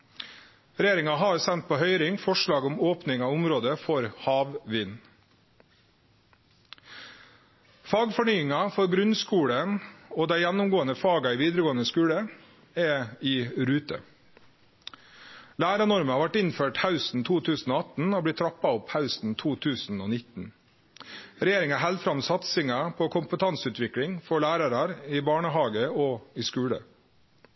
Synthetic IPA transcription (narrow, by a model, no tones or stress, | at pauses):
ɾɛjeːɾɪŋɑɦɑɾsɛnt̪̚pʰoːhœʏɾɪŋfɔʂɭɑːɡɔmoːpnɪŋɑːʊmɾoːd̪əfɔɾhɑːʋʋɪn | fɑːɡfɔɳyːɪŋɑfɔɾɡɾʉnskuːɽənoːd̪æɪjænʊmɡoːənəfɑːɡɑiːʋiːd̪əɾəɡoːənəskʉːɽə | ɛːiːɾʉːt̪ə̰ | læːɾɑnɔɾməhɑʋæʈːɪnføːʈhaʉsn̩t̪ʰuːt̪ʰʉːsn̩oːɑt̪n̩oːblɪt̪ʰːɾɑpːɑɔphaʉsn̩t̪ʰuːt̪ʰʉːsn̩oːnɪt̪n̩ | ɾɛjeːɾɪŋɑɦɛld̪fɾɑmsɑt̪sɪŋɑpʰɔkʰʊmpət̪ʰɑnsʉːt̪ʋɪkɽɪŋfɔɭæːɾɑɾɑɾɪbɑːɳəɦɑːɡəɔːɪskʉːɽə̰